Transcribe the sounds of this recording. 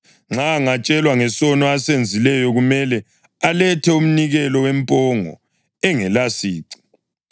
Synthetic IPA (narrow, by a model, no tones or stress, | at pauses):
ŋ͡ǁaŋat͡ʃʼɛlwaŋɛsɔnɔasend͡zʱilɛjɔɣumɛlɛ | alɛtʰɛum̩niɣɛlɔwɛmpʼɔŋɔ̰ | ɛŋɛlasiːǀi̥